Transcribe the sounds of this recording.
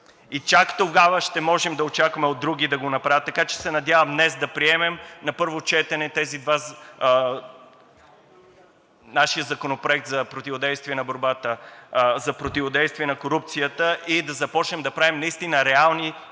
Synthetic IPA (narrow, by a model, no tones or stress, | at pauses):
it͡ʃakt̪oɡavəʃt̪ɛmɔʒɛmd̪ɐot͡ʃakvɐmɛod̪ːɾuɡ̟id̪ɐɡonɐpɾavʲət̪ːɐkat͡ʃɛ̥sɛnɐd̪javɐmd̪nɛsd̪ɐpɾiɛmɛmnɐpɤɾvot͡ʃɛt̪ɛnɛt̪ɛzid̪va | naʃijəzɐkonopɾoɛk̚t̪zɐpɾot̪ivod̪ɛjst̪viɛnɐboɾbat̪əzɐpɾot̪ivod̪ɛjst̪viɛnɐkoɾup̚t̪sijət̪əʔid̪ɐzɐpɔt͡ʃnɛmd̪ɐpɾavɛmnɐist̪inəɾɛalˠni